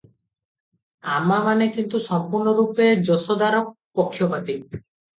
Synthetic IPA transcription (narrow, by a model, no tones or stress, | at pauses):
amamanekint̪usɔmpuɾɳɔɾuped͡ʒosɔd̪aɾɔk̚ | pokʰːjɔpat̪i